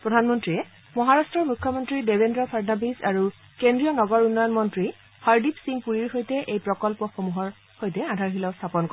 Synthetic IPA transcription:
pɹɔdʱanmɔntɹiɛ | mɔɦaɹastɹɔɹmukʰːɔmɔntɹidebʱendɹɔpʰaɹnabiza̰ɹu | kendɹijɔnɔɡɔɹunːɔjɔnmɔntɹi | haɹdipsiŋpuɹiɹxojtɛʔejpɹɔkɔlpɔxomuɦɔɹ | xojtɛadʱaɹɦilɔʊst̪ʰapɔnkɔ

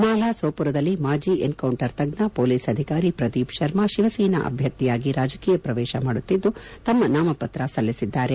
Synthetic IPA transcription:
naːlaːsoːpuɾɐd̪ɐlːimaːd͡ʒiːenkɐwɳʈɐɾt̪ɐɡnɐpoːliːsɐd̪ʱikaːɾipɾɐd̪iːpʃɐɾmaʃiʋɐsiːnɐ̰ʔɐ̰bʱjɐt̪ːijaːɡiɾaːd͡ʒɐkiːjɐpɾɐʋɛːʃɐmaːɽut̪ːid̪ːut̪ɐmːɐnaːmɐpɐt̪ɾɐsɐlːisid̪ːaːɾe

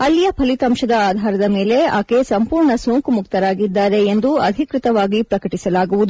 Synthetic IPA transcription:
ɐlːijɐpʰɐlit̪ɐmʃɐd̪ɐaːd̪ʱaːɾɐd̪ɐme̞ːle̞aːkesɐmpuːɾɳɐsoːŋkumuk̚t̪ɐɾaːɡid̪ːaːɾe̞ːnd̪uɐd̪ʱikɾit̪ɐʋaːɡipɾɐkɐʈisɐlaːɡuʋud̪u

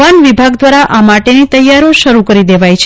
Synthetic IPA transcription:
anʋibʱaɡd̪ʋaɾaʔʔamaʈenit̪əjːaɾoʃəɾukəɾid̪eʋajt͡ʃʰ

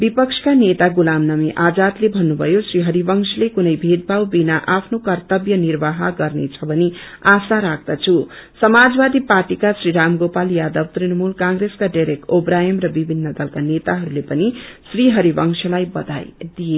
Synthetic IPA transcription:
bipʌksʰʌ̥kanet̪aɡulamnʌmiʔad͡zat̪lebʱʌnːubʱʌjosriɦʌɾibʌŋsʰlekunʌjbʱed̪̚bʱawbinaʔapʰnokʌrt̪ʌbjʌnirbaɦaɡʌrnet͡sʰʌbʱʌniasaɾak̚ʰd̪̥ʌt͡sʰusʌmad͡zbad̪iparʈikasriɾamɡopaljad̪ʌbt̪rinmulkãŋɾeskaɖajɾek̚ʈobɾajʌmrʌbibʱinːʌd̪ʌlkanet̪aɦʌɾulepʌnisriɦʌɾibʌŋsʰʌlajbʌd̪a̰jd̪ije

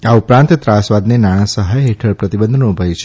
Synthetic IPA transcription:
aupɾãnt̪t̪ɾasʋad̪nenaɽ̃ãsəɦajɦeʈʰəɾpɾət̪ibənd̪ʱnubʱəjt͡ʃʰe

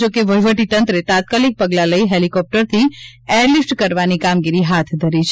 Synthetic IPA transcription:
okeʋəjʋəʈit̪ənt̪ɾet̪ãt̪̚kalik̚pəɡlaləiɦelikɔp̚ʈəɾt̪ʰieɾlifʈkəɾʋanikamɡiɾiɦat̪ʰd̪ʱəɾit͡ʃʰ

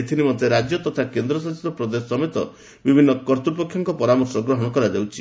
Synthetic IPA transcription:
et̪ʰinimɔnt̪eɾad͡ʒjɔt̪ɔt̪ʰakend̪ɾɔsasit̪ɔpɾɔd̪esɔmet̪ɔ | bibʱinːɔkɔɾt̪upɔkʰːjɔŋkɔpɔɾamɔɾsɾɔɡɾɔɦɔɽ̃ɔkɔɾad͡ʒewt͡ʃʰi

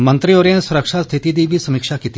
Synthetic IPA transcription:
mɐ̃nt̪ɾioːɾẽsʊɾəkʃast̪ʰɪt̪id̪ibʱisɐmikʃakit̪i

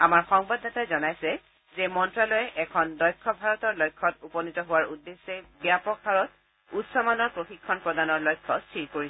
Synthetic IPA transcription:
amaɹxɔŋbadatajzɔnajsɛ | zɛmɔntɹalɔjɛʔɛkʰɔndɔjkʰːɔbʱaɹɔtɔɹlɔjkʰːɔtupɔnitɔɦʊwaɹudːesːɛbijapɔkhaɹɔt̚ | utsɔmanɔɹpɹoxikʰːɔnpɹɔdanɔɹlɔjkʰːɔstʰiɹkoɹisɛ

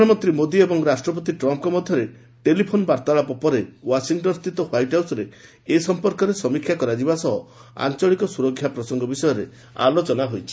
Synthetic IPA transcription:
ɔmɔt̪ɾimod̪iebɔŋɾasʈɾɔpɔt̪iʈɾɔmp̚kɔmɔd̪ʱjɔɾe | ʈelipʰonbaɾt̪aɭapɔpɔɾewasiŋʈɔnst̪it̪ɔhwajʈɦawsɔɾeː | sɔmpɔɾkɔɾesɔmikʰjakɔɾad͡ʒibasɔɦɔ | a̰nt͡ʃɔɭikɔsuɾɔkʰːjapɾɔsɔŋɡɔbisɔjɔɾe | a̰lot͡ʃɔnaɦojt͡ʃʰi̥

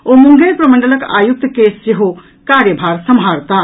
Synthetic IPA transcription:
omuŋɡepɾɐməɳɖələka̰ːjuk̚t̪kesseɦo | kaɾjəbʱaːɾsɐmɦaːɾt̪a

